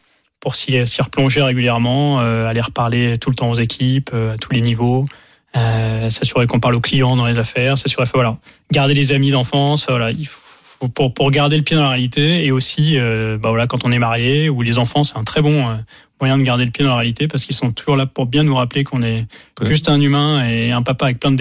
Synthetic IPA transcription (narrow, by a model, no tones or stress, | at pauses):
puʁsisiʁəplɔ̃ʒeʁeɡʲyljɛʁmɑ̃øaleʁəpaʁlet̪ulət̪ɑ̃ozekʲʰipøat̪ʰulenivo | øsasyʁekɔ̃paʁloklijɑ̃d̪ɑ̃lezafɛʁsasyʁefɛvwala | ɡaʁd̪elezamid̪ɑ̃fɑ̃sfvwalailf | opuʁpuʁɡaʁd̪eləpjed̪ɑ̃laʁealit̪eeosiøbavwalakɑ̃t̪ɔ̃nɛmaʁjeulezɑ̃fɑ̃sɛ̥t̪ɛ̃t̪χɛbɔ̃ø | mwajɛ̃d̪əɡaʁd̪eləpjed̪ɑ̃laʁejalit̪epaʁsə̥kilsɔ̃t̪u̥ʒuʁlapuʁbjɛ̃nuʁaplekʰɔ̃nɛʒyst̪ɛ̃nymɛ̃eːɛ̃papaːvɛk̚plɛ̃d̪ə